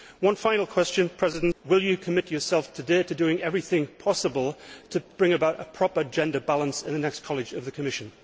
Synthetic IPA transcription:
wʌ̃nfãɪ̃nl̩ˠkʰw̥ɛst͡ʃɨ̃npʰɹ̥ɛzɨdn̩ʔwɪlˠjɨkʰəmɪt͡ʃə˞sɛlˠftʰɨdeɪɾɨdʉɪ̃ŋɛvɹiθɪ̃ŋpʰɑsəbəlˠtʰɨb̥ɹɪ̃ŋɨbaʊɾə̰pʰɹ̥ɑpə˞d͡ʒɛ̃ndəbalˠə̃nsɪ̃nðɨnɛkskʰɑlˠɨd͡ʒʌvðɨkʰəmɪʃɨ̃n

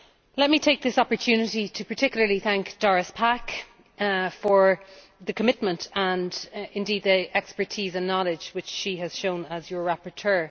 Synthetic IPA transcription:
lɛt̚mitʰeɪk̚ðɪsɑpə˞tʰʉːnɪɾitʰəpʰə˞tʰɪkjl̩ˠə˞liθæ̃ŋkd̥ɔɹəspʰak | fə˞ | ðəkʰəmɪt̚mə̃ntʰə̃nɪ̃ndiːd̪̚ðiʔɛkspə˞tʰiːzə̃nːɑlɪd͡ʒʒ̥wɪt͡ʃʃiəz̥ʃõʊ̃nəzjə˞ɹapə˞tʰɜ˞

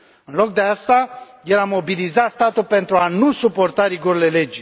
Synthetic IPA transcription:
ɨnlo̞k̚d̪east̪a | jelamo̞bilizat̪st̪at̪ulpe̞nt̪ɾuanusupo̞rt̪aɾiɡoɾele̞le̞d͡ʒ

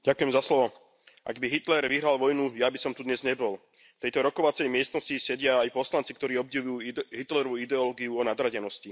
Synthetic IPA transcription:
ɟakujɛmzaslɔʋɔ | ʔa̰ɡbiɦit̪lɛɾʋiɦɾalʋɔjnujabisɔmt̪ud̪ɲɛzɲɛbɔl | ft̪ɛjt̪ɔɾɔkɔʋat͡sɛjmɪɛst̪nɔscisɛɟɪaːjpɔslant͡sik̚t̪ɔɾiːɔbɟɛʋujuːɦit̪lɛɾɔʋuid̪ɛɔlɔːɡiuɔnad̪ɾaɟɛnɔsci

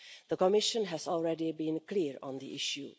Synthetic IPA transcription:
d̪̥əkɔmɪʃə̃nɦɛzɔlˠɹɛdibĩnkliːɹɔ̃nd̪ḭʔɪʃjṵ

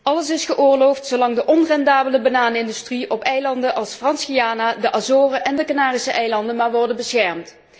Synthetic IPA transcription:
ʔɑləsɪsχəʔʊːɹlowftsowlɑŋdəʔɔnrɛndaːbələbanaːnɪndystriʔɔpɛjlɑndəʔɑlˠsfrɑnsxijaːnaːdəʔazoːrəʔɛndəkanaːrisəʔɛjlɑndənmaːɹʋɔɹdənbəsxɛɹmt

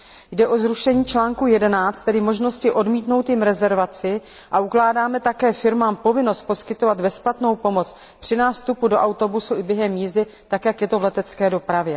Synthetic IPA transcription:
jdɛʔo̞zɾuʃɛɲiːt͡ʃlaːŋkujɛdɛnaːt͡st̪ɛdɪmo̞ʒno̞scɪʔo̞dmiːt̪no̞wt̪jɪmɾɛzɛɾvat͡sɪ | ʔaʔuklaːdaːmɛt̪akɛːfɪɾmaːmpo̞vɪno̞st̪̚poskɪt̪o̞vad̪vɛsplat̪no̞wpo̞mo̞t͡s | pr̝̥ɪnaːst̪upudo̞ʔawt̪o̞busuɪbjɛɦɛmːiːzdɪ | t̪akjakjɛt̪o̞vlɛt̪ɛt͡skɛːdo̞pɾavjɛ

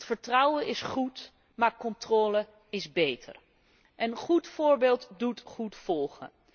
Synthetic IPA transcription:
tfəɹtrʌwəɪsχut | maːɹkɔntrɔːlə | ɪzbejtʰə̰r | ʔɛnχutfʊːɹbeːlˠtdutχutfɔlˠχə̰

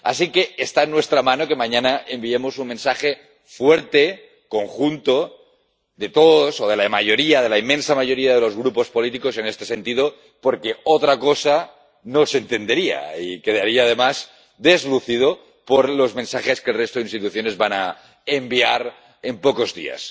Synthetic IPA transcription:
a̰s̬ike̞ːst̪aenːwest̪ɾamanokemaɲanaʔembiemo̞summensaxe | fweɾt̪e | ko̞ŋxunt̪o | ðe̞t̪oðosoð̞e̞lamaʝo̞ɾiaðe̞laimːẽnsamaʝo̞ɾiaðelo̞zɣ̞ɾupo̞spo̞lit̪iko̞se̞nest̪e̞se̞nt̪iðo̞ | poɾkeot̪ɾakosa | nosent̪e̞nd̪e̞ɾia̰ike̞ðaɾiaːð̞e̞maz | d̪e̞zluθið̞o | poɾlo̞zmẽ̞nsaxeske̞lrest̪oðinst̪it̪uθjone̞zβana | embiaɾ | e̞mpoko̞zðḭa̰s

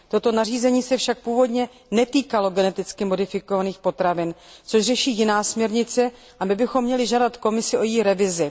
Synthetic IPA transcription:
t̪o̞t̪o̞nariːzɛɲiːsɛfʃak̚puːvo̞dɲɛ | nɛt̪iːkalo̞ɡɛnɛt̪ɪt͡skɪmo̞dɪfɪko̞vaniːxpo̞t̪ɾavɪnt͡so̞ʃrɛʃiːjɪnaːsmɲɛɾɲɪt͡sɛ | ʔabɪbɪxomːɲɛlɪʒadat̪ko̞mɪsɪʔo̞jiːɾɛvɪzɪ

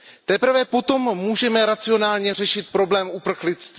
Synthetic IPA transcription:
t̪ɛpr̩vɛpo̞t̪o̞mːuːʒɛmɛɾat͡sɪo̞naːlɲɛr̝ɛʃɪt̪̚pɾo̞blɛːmʔupr̩xlɪt͡st̪vi

